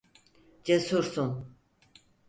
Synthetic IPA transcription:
d͡ʒesuɾsun

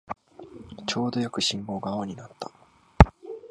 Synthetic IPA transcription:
t͡ɕo̞ːd̪o̞jokɯ̟ɕĩmbo̞ːɡaoɲ̟inat̪ːa

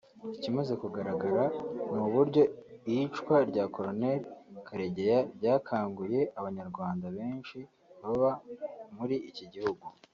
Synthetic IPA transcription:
icimaze̞kuɡaɾaɡaɾamuβuɾɟo̞ijit͡ʃkwaɾɟaːko̞ɾone̞ɾkʰaɾeɟe̞jabɟaːkʰaːŋɡuje̞aβaɲaɾɡwaːndaβe̞ːnʃi | βaβamuɾiʔːciɟihuɡu

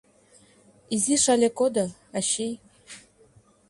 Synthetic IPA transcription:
iziʃalʲekod̪a | aɕij

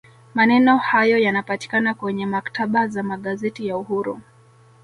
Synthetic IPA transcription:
manɛnɔhajɔjanapati̥kanakwɛɲɛmakḁtʰaɓazamaɠazɛtijauhuɾṵ

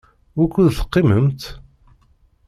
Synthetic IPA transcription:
wækːuðθə̥qːiməmt̪

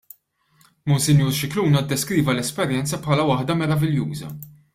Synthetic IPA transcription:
mʊnsɪnjuːɾʃɪkluːnɐd̪ːɛskɾiːvɐlɛspɛɾjɛnt͡sɐpħɐːlɐwɐħd̪ɐmɛɾɐvɪljuːzɐ̰

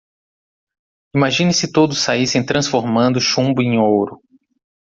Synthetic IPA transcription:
imaʒĩnɪsɪt̪od̪ʊsːaisẽj̃t̪ɾɐ̃sfoɾmɐ̃nd̪ʊʃũbʊẽj̃owɾʊ

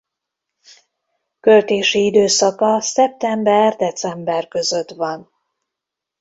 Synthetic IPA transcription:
kø̞lt̪eːʃiid̪øːsɒkɒsɛp̚t̪ɛmbɛrd̪ɛt̪sɛmbɛrkø̞zø̞t̪ʋɒn

